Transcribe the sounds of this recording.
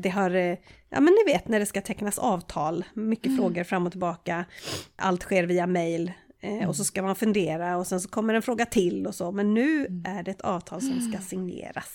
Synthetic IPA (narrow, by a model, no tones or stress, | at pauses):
d̪ɛɦaɾjʔɑ̰ːmɛnnɪveːt̪næɖɛskat̪ʰɛkːnasɑːvt̪ʰɑːlmʏkːəfɾoːɡəɾfɾamːɔt̪ʰɪlbɑːkaʔa̰lt̪ɧeːɾviːamɛjlɔsɔskamanfɵnd̪eːɾaɔsɛns̬ɔkʰɔmːəɾɛnfɾoːɡat̪ʰɪlːɔsɔmɛnːʉ̟ːʔæɖɛɛt̪ʰɑ̰ːvt̪ʰɑːlsɔmskasɪŋnḛːɾa̰s